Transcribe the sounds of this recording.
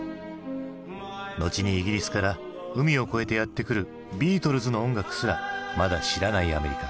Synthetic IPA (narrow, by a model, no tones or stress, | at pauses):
no̞t͡ɕiɲ̟iːɡʲiɾʲisɨ̥kaɾa | ɯ̟mʲio̞ko̞e̞t̪e̞jat̪ːe̞kɯ̟ɾɯ̟ | bʲiːt̪o̞ɾɯ̟zɨno̞õŋɡakɯ̟̥sɨɾamad̪aɕiɾanaiame̞ɾʲika